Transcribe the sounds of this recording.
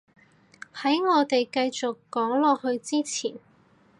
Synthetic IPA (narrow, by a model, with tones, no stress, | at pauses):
hɐ˨˥jŋɔː˨˧t̪e˨jkɐ˧jt͡sʊ˨kːɔː˨˥ŋlɔː˨hɵ˧ɥt͡siː˥t͡sʰḭː˨˩n